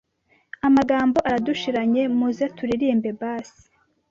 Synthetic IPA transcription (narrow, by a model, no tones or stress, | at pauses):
amaɡaːmbo̞ʔaɾaduʃiɾaɲe̞muzatuɾiɾiːmbe̞baːsi̥